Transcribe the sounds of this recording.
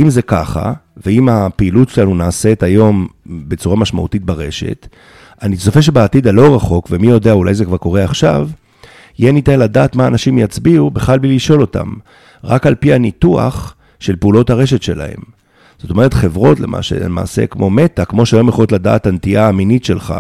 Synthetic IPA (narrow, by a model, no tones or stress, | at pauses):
ʔimzeka̰χa̰veimapeilutʃelanunaːse̞tajo̞mbe̞t͡suʁamaʃma̰ṵtit̚baʁe̞ʃe̞̰t | aniso̞fe̞ʃ̬e̞beːt̪id̪alo̞ʁaχo̞kvemijo̞deaula̰jzekvaʁko̞ʁe̞aχʃa̰v | jenit̪eladaːtmaːnaʃimjat͡sbiubeχalbliliʃo̞lo̞ta̰m | ʁakalpianitua̰χ | ʃe̞lpeulo̞thaʁe̞ʃ̬e̞tʃe̞̰la̰he̞̰m | z̥o̞to̞me̞ʁ̞et̪χe̞vʁo̞tle̞̰mʔa̰ʃḛma̰ːsḛkmo̞me̞t̪akmo̞ʃeajo̞mjeχolotlada̰ːtant̪iaːminitʃe̞lχa̰